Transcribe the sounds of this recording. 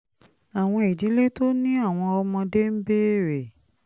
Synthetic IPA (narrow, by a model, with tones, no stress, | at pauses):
a˨w̃ɔ̃˧i˨di˨˦le˦to˦nĩ˦a˦˨w̃ɔ̃˧ɔ˧mɔ̃˧de˦m̩˦be˦˨ɾe˨